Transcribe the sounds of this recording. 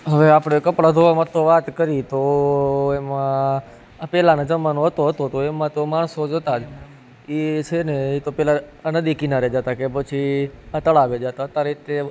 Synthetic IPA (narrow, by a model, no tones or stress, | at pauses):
ɦəʋeapɽ̃ekəpɽad̪ʱoʋamat̪ʰːoʋat̪kəɾit̪o | emã | pɛlanad͡ʒəmanoɦət̪oɦət̪ot̪oemãt̪omaɳ̃sod͡ʒət̪ad͡ʒ | it͡ʃʰeneit̪opɛlanəd̪ikinaɾed͡ʒat̪akep̬ət͡ʃʰiat̪əɭaʋed͡ʒat̪at̪aɾit̪e